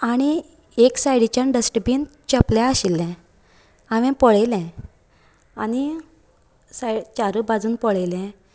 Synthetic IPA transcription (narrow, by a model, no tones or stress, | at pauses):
aɽ̃i | eksajɽit͡ɕãɳɖəsʈəbint͡ɕəpljaəɕilːɛ̃ | aʋɛ̃pɔɭejlɛ̃ | añi | sajɽt͡ɕaɾəbad͡zuːnpɔɭejlɛ̃